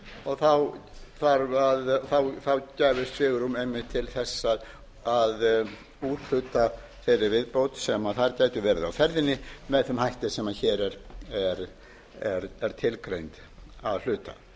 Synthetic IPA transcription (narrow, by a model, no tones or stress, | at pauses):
ɔɣθawθaɾaðθawθawcɛːvɪst̪sɪɣʏɾumejmːɪt̪ʰɪlθɛsːað | að | uɾl̥ʏt̪a | fɪɾɪɾvɪðpowt̪sɛmaθaɾcaːjt̪ʏvɛːɾɪðawfɛɾðɪnːɪmɛðθʏmhajht̪ɪsɛmaçɛːɾɛɾɛɾ | ɛɾɛɾ̥t̪ʰɪlkɾejnt̪ | aðl̥ʏːt̪a̰